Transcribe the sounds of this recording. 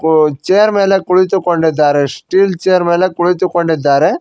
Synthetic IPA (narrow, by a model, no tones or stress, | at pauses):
t͡ʃeːjɐɾmeːlekuɭit̪ukoɳɖid̪ːaːɾesʈiːlt͡ʃeːjɐɾmeːlekuɭit̪ukoɳɖid̪ːaːɾe